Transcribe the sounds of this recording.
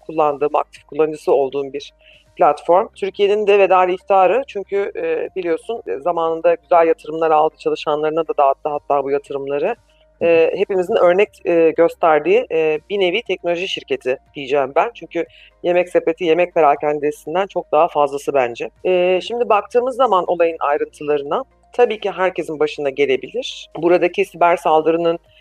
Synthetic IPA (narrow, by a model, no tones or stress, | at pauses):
kʰulˠːand̪ɯːma̰k̚t̪ʰifkʰulˠːand͡ʒɯsɯo̞lˠd̪uːnbiɾ̥ | plʲat̪fo̞ɾmt̪ʰyɾcʰije̞nind̪ɛvɛd̪aːlʲiift̪ʰiaːɾɯt͡ʃʰyɲcʰybilʲijo̞sunzamaːnɯnd̪aɟyzælʲjat̪ʰɯɾɯmlˠaɾalˠd̪ɯt͡ʃʰalˠɯʃanlˠaɾɯnad̪ad̪aːt̪ːˠaɦat̪ʰːaːbujat̪ʰɯɾɯmlˠaɾɯ | ɛːɦe̞pimizinʔø̞ɾnɛc̚ːɟøst̪ʰæɾd̪iːbine̞viːt̪ʰɛc̚no̞lʲoʒiʃiɾce̞t̪ʰid̪̥ijid͡ʒɛːmbænt͡ʃʰyɲcʰy | je̞mɛcse̞pe̞t̪ʰije̞mɛc̚peɾacʰɛnid̪esind̪ænt͡ʃʰo̞k̚d̪aɦafazlˠasɯbænd͡ʒɛɛːʃimd̪ibak̚t̪ʰɯːmɯzːamanʔo̞lˠajɯna̰jɾɯnt̪ʰɯlˠaɾɯna | t̪ʰabiːciɦæɾce̞sinbaʃɯnd̪aɟe̞lʲe̞bilʲiɾ̥buɾad̪acʰisibæɾsalˠd̪ɯɾɯnɯn